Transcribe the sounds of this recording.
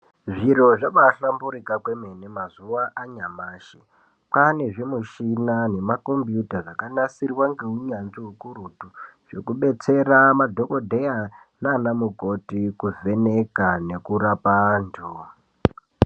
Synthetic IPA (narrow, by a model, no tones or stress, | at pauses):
ʐiɾo̞ʐaʋaɬambuɾikakwe̞menemazuwaʔaɲamaːʃe | pane̞ʐemuʃinane̞mako̞mbjutaʐakanasirwaŋɡeuɲanziɦukuɾutuʐ̥e̞̰kuɓe̞t͡se̞ramadʱo̞ko̞dʱeja | nanamuko̞tikuve̞ne̞kane̞kurapando